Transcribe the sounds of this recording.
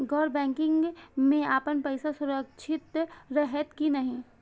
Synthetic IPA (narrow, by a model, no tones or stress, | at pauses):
ɡɔːɾbɛ̃ːŋkɪ̃ŋɡmẽaːpənpəɪsasʊɾəkʃʰɪt̪ɾəɦət̪kinɐɦĩ